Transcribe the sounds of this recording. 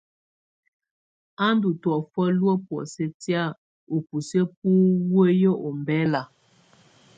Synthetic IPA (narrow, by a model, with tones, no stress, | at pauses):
a˦ndu˨tɔ˨fɔ˦lwə˦pwɔ̰˨se˦tja˦˨ | o˨pu˨sə˦p̚u˦wə˦jə˦ʔo˨m˨bɛ˦la˨